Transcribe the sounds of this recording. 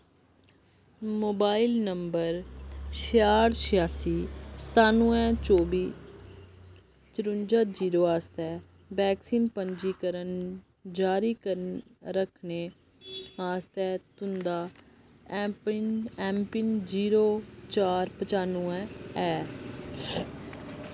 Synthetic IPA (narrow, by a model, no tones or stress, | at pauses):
moːbaːɪlnəmbəɾʃɪjaːɽsɪjaːsiːsə̥t̪aːnũːɛ̃ːt͡ʃoːbiː | t͡ʃəɾʊ̃ɲd͡ʒaːd͡ʒiːɾoːaːst̪ɛː | bɛːksiːnpəɲd͡ʒiːkəɾən | d͡ʒaːɾiːkəɾnɾəkʰneː | aːst̪ɛːt̪ʊnd̪aː | pnɛ̃ːmpɪnd͡ʒiːɾoːt͡ʃaːɾpət͡ʃaːnuːɛ̃ːɛː